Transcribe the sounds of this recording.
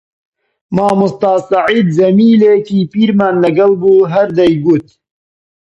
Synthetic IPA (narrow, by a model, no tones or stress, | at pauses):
maːmʊst̪ɑːsaʕiːd̪zɐmiːlekiːpiːɾmaːnlɐɡɐlbuːɦɐɾd̪ɐjɡuːt̪̚